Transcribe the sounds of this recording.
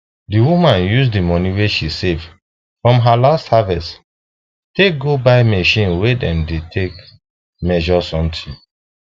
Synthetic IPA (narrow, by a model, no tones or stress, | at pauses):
diwumãnjus̬dimɔniweʃisevd | fɹɔ̃mɦalasthavɛs | teɡobaɪmɛʃĩnwedɛ̃mdetʰek | mɛʒɔsɔ̃mtʰi